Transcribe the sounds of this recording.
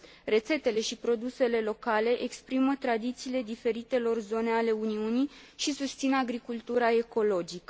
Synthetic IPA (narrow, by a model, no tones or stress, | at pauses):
re̞t̪se̞t̪e̞le̞ʃipɾo̞d̪use̞le̞lo̞kale̞ʔekspɾimət̪ɾad̪it̪siːle̞d̪ife̞ɾit̪e̞lo̞rzo̞ne̞ale̞uniuniʃisust̪sinaɡɾikult̪uɾae̞ko̞lo̞d͡ʒikə